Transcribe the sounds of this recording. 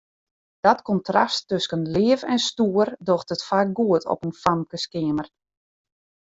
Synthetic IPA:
d̥ɔtkɔntrastːøskənlɪːəfɛnstuərdoxtətfaːk̚ɡuətʰɔ̰pənfamkəskɪəmər

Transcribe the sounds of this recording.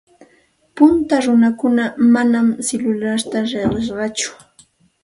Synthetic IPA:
pʊnt̪aɾʊnakʊnamanamselʊlaɾt̪aɾeɢeʃɢɑt͡ʃʊ̥

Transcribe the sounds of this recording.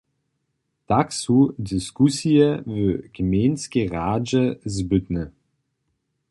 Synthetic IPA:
d̥aksudɪskusiəvøɡ̥əmeːnsɡ̥əʁaːd͡ʒəzbʏtnə

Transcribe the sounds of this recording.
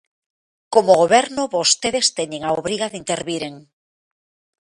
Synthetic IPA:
komoɣ̞oβeɾnoβost̪eðest̪eɲeŋaoβɾiɣaðint̪eɾβiɾeŋ

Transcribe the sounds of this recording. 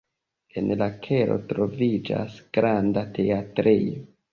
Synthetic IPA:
e̞nlakʰeɾo̞̰tɾo̞vid͡ʒa̰sɡ̥ɾandatʰeatɾijo

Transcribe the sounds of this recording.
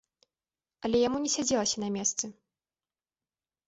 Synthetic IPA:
ɐlʲɛjamunʲɛsʲad͡zʲɛlˠɐsʲɐnɐmʲɛst̪sɨ

